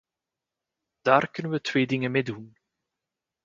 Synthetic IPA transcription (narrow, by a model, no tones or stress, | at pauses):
d̥aːrkɵnənʋətʋeːdɪŋənmeːdun